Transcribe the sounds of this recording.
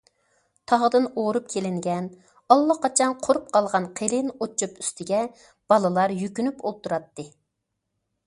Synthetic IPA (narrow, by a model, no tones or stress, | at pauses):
t̪ʰɑʁd̪ɨnoɾup̚kʲʰelɪŋɡʲɛn | ɑlˠːɑqʰɑt͡ʃʰɑnqʰoɾup̚qʰɑlˠʁɑnqʰelɪnot͡ʃʰːupy̥st̪ɪɡʲɛ | b̥ɑlˠɨlˠɑɾjykʲynypolˠt̪uɾɑt̪ːɨ